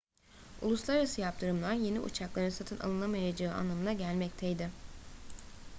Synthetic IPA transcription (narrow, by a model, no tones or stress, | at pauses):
ṵlˠuslˠaɾaɾasɯjap̚t̪ʰɯɾɯmlˠanje̞nḭʔṵt͡ʃʰaklˠaɾɯnsat̪ʰɯnʔa̰lˠɯnˠamajad͡ʒaɯːa̰nlːˠamɯnaɟælʲmɛc̚t̪ʰɛjd̪ɪ